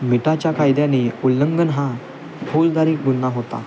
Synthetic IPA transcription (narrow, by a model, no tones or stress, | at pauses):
miʈat͡ɕjakʰajd̪jãniulːəŋɡənɦã | bʰold̪aɾiːk̚ɡunːaɦot̪a̰